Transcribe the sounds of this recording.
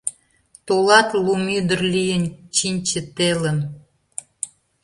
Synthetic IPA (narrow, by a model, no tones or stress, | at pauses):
t̪olɑt̪lumyd̪ərlijənt͡ɕinʲt͡ɕət̪elən